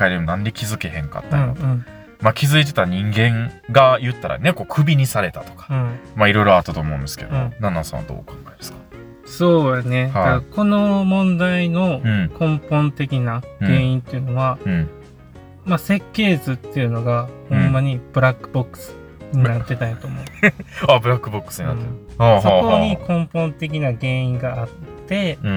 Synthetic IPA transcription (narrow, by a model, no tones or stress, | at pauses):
kaid̪e̞monãnd̪ekʲizɨke̞hẽ̞ŋka̰t̪ːa̰oɯ̃ɴ | makʲizɨit̪̬e̞t̪aɲ̟ĩŋɡẽ̞ŋɡajɯ̟t̪ːaɾʔa̰ne̞ko̞ːkʰɯ̟bʲiɲ̟isaɾe̞t̪at̪o̞̥kḁɯ̃maiɾo̞jɾo̞at̪ːat̪o̞ːmõ̞̰nd̪e̞sɨ̥ke̞̰d̪oõnanːa̰sã̰ad̪o̰ːkãŋɡ̪aiasɨ̥kḁ | so̞ːjane̞had̪ako̞no̞mõ̞nd̪aino̞ɯ̃kõ̞mpõ̞nt̪e̞kʲinaɡ̥e̞ːĩnt̪ːe̞ɯ̟no̞βa | mase̞kːe̞ːzɨt̪ːe̞jɯ̟no̞ɡahõ̞mːaɲ̟ib̥ɯ̟ɾakːɯ̟̥bo̞kːɯ̥sɨ̥ | ɲ̟inat̪ːe̞t̪ajot̪oːmo̞abɯ̟ɾakːɯbokːɯ̥sɨɲina̰t̪ːe | aːhooɲikʰõ̞mpõ̞nt̪e̞k̬ʲinaɡẽ̞ːĩŋɡaːt̪ːẽ̞